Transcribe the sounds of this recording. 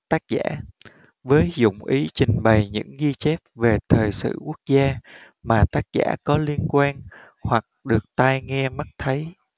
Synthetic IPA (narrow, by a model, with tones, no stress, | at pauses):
t̪aː˦˥k̚za̰ː˧˥ | vəː˨˦jzʊ̰˧˨ŋ͡mʔi˨˦t͡ɕï˨˩ŋ̟ɓə˨˩jɲɨ̰˧˥ŋɣi˧t͡ɕe˦˥p̚ve˨˩t̪ʰəː˨˩jsɨ̰˧˨ku˦˥ək̚zaː˧ | maː˨˩t̪aː˦˥k̚za̰ː˧˥kɔ˨˦li˧ənkwaː˧n | hwa˨˩k̚ɗɨ˨˩ək̚t̪a˧jŋɛ˧ma˦˥t̚t̪ʰə˨˦j